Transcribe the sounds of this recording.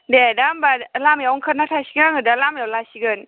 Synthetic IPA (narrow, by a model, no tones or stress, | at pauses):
dedambalamjawŋkʰət̚natʰasiɡaŋɯdalamjawlasiɡɯn